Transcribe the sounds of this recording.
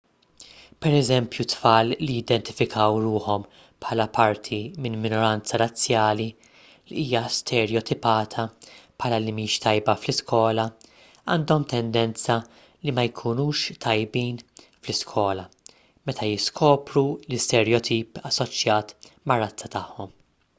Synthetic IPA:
pɛɾɛzɛmpjut̪fɐːllijɪd̪ɛnt̪ɪ̥fɪkʰɐwɾuːħɔm | pħɐːlɐpɐɾt̪ʰimɪnmɪnɔɾɐnt͡sɐɾɐt͡sːjɐːli | liiːjɐst̪ʰɛɾjɔt̪ʰɪpɐːt̪ʰɐpʰħɐːlɐlimiːʃt̪ɐjbɐflɪskɔːlɐ | ɐːnd̪ɔmt̪ʰɛnd̪ɛnt͡sɐ | limɐjkʰunuːʃt̪ʰɐjbiːn | flɪskʰɔːlɐ | mɛt̪ʰɐjɪskʰɔːpɾulɪst̪ɛɾjɔt̪ʰiːpɐsːɔt͡ʃjɐːt̪mɐrːɐt͡sːɐt̪ɐħːɔm

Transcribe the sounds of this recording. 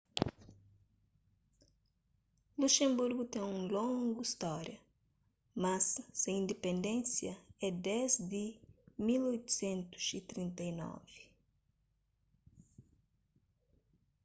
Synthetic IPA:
luʃẽmbuɾɡut̪ẽŋũlõŋɡuist̪ɔɾjɐ | mɐsːɐĩnd̪epẽnd̪ẽnsjɐɛd̪ɛzd̪imilojt̪u̥sẽnt̪u̥sit̪ɾĩnt̪ɐjnɔ̰vi

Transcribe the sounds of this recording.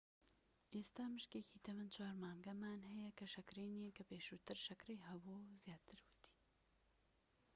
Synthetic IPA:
ʔeːst̪aːmɨʃkeːkʰiːt̪ʰɐmɨnt͡ʃʰwaːɾmaːŋɡɐmaːnɦɐjɛkʰɐʃɐkɾeːniekɐpeːʃuːt̪ɨɾʃɐkreːɦɐbozjaːt̪ʰɨɾwɨt̪ʰi̥

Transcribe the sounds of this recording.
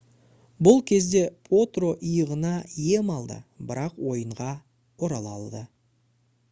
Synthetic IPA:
bʊlˠkʲʰe̞zd̪e̞pʰo̞t̪ro̞ʔijəʁənɑje̞mɑlˠd̪ə̰bɪɾɑqwo̞jəɴʁɑ | o̞ɾɑlˠɑ̰lˠd̪ə

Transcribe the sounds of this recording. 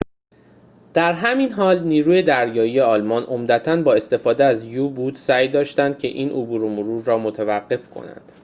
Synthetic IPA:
d̪̥æɾɦæmiːnɦɒːlniːɾuːje̞d̪æɾjɒːjije̞ɒːlmɒːnʔo̞md̪æt̪ʰænbɒːe̞st̪e̞fɒːd̪eæzjubuːd̪sæjd̪ɒːʃt̪ænd̪̥̚cʰe̞̰ʔiːnʔobuːɾomoɾuːɾːɒːmot̪ʰevæɢːe̞fkʰo̞̰næ̰nd̪̥

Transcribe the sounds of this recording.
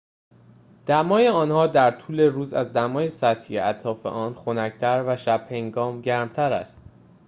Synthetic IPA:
d̪̥æmɒːjeɒːnhɒːd̪æɾt̪ʰuːle̞ɾuːzæ̰zd̪æmɒːjesæt̪ʰijḛæt̪ʰɾɒːfe̞̰ʔɒːnxo̞næct̪ʰæɾvæʃæb̥he̞ŋɡɒːmɟæɾmt̪ʰæɾæ̰st̪̚

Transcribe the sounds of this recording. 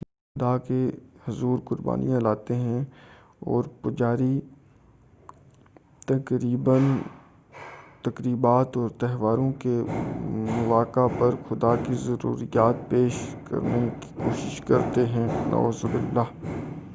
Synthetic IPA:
xxʊd̪akehʊzuːɾkʊɾba̰ːnḭjãlaːt̪eɦɛ̃ | ɔ̰ːɾpʊd͡ʒaːɾi | t̪ɐkɾiːbən | t̪ɐkɾiːbaːt̪ɔːɾt̪ɛɦʋaːɾõke | mʊʋaːkapɐɾxʊd̪akizɐɾṵːɾijaːt̪peːʃkɐ̰ɾneki̥koːʃɪʃkɐɾt̪eɦɛ̃nʔa̰ːzubɪlːaːɦ

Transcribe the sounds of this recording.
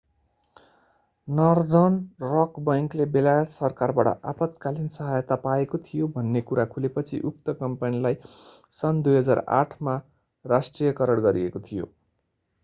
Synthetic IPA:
nʌrd̪ʌnrʌkbʌjŋklebelajʌt̪sʌrkarbaʈʌ̰ʔapʌt̪kalinsʌɦajt̪apaekot̪ʰijobʱʌnːekuɾakʰulepʌt͡sʰḭʔuk̚t̪ʌkʌmpanilaj | sʌnd̪ujɦʌd͡zara̰ʈʰma | rasʈrijʌkʌɾʌɽɡʌɾiekot̪ʰijo̰

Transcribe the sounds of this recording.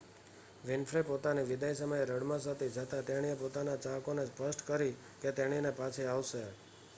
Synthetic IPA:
ʋɪnfʰɾepot̪aniʋɪd̪ajsəməjeɾəɽmãsat̪ʰid͡ʒət̪ʰat̪eɽ̃iepot̪anat͡ʃakonespəsʈkəɾi | ket̪eɽ̃inepat͡ʃʰeaʋʃe

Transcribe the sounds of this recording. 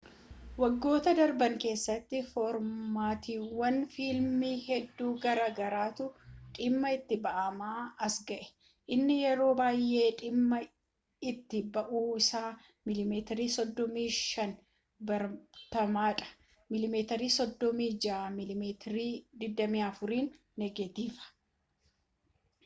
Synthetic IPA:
wɐɡːo̞ːt̪ɐd̪ɐɾbɐŋke̞ːsːɐt̪ːɪfɔɾmaːt̪iːwːɐnfiːlmiːhɛd̪ːuːɡɐɾaːɡɐɾaːt̪ʊᶑʼɪmːɐɪt̪ːɪbɐʔɐmaːɐsɡɐʔɛ̥ | ʔɪnːɪjɛɾo̞ːbaːjʔːe̞ːᶑɪmːɐ | ɪt̪ːɪbɐʔuːɪsaː | mɪlɪmeːt̪ɛɾiːsɔd̪ːɔmiːʃɐn | bɐɾt̪ɐmaːᶑɐ̥ | mɪlɪmeːt̪ɐɾiːsɔd̪ːɔmiːd͡ʒɐamɪlɪmeːt̪ɾiːd̪ɪd̪ːɐmiːɐfʊɾiːnː | ɛɡet̪iːfɐ̥

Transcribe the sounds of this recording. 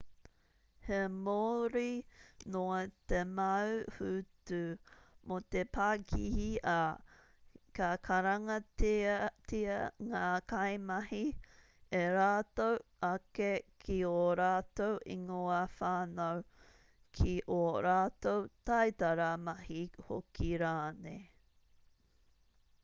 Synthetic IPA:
hemoɾinoɐtemɐwhʉtumot̪epʰaːkʰihiɐ | kɐkʰɐɾɐŋɐttiɐŋaːkɐjmɐhi | eɾaːtowʔɐkekʰioɾaːtowʔḭŋoɐfaːnɐw | kʰiʔoɾaːtowtɐjtɐɾɐmɐhiho̰kʰiɾaːne

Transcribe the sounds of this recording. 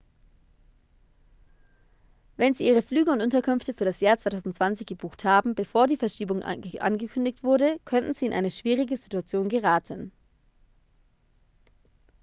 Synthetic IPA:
vɛnziːʔiːʁ̞əflyːɡəʊntʔʊntɐkʏmftəfyːɐɾasjaːɐt͡svaɪtʰaʊzn̩tt͡sv̥ant͡sɪçɡ̥əb̥uːxthaːbm̩bəfoːɐdiːfɛɐʃiːbʊŋʔʔa̰nɡəkʰʏndɪç̚tv̥ʊɐɾəkʰœntn̩z̥iːɪnʔa̰ɪnəʃv̥iːʁɪɡəzituat͡sjoːnɡəʁaːtʰən

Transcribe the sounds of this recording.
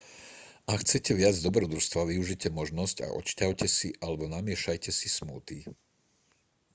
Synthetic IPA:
akxt͡sɛcɛʋɪad͡zd̪ɔbɾɔd̪uɾst̪ʋaʋiuʒicɛmɔʒnɔsca̰ʔɔ̰t͡ʃcaʊcɛsiʔalɛbɔnamɪɛʃajcɛsismuːt̪i

